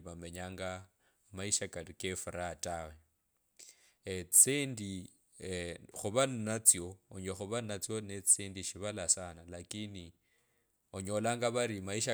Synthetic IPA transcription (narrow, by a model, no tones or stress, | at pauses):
βameɲaːŋɡa | maiʃakalukefuɾatʼawe | t͡seːndi | xuβanat͡sjooɲwexuβanat͡sjonet͡seːndiʃiβalasanalakini | oɲolaːŋɡaβaɾimaiʃa